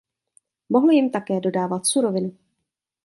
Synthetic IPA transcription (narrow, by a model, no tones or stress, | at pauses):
mo̞ɦl̩jɪmt̪akɛːdo̞daːvat̪suɾo̞vɪnu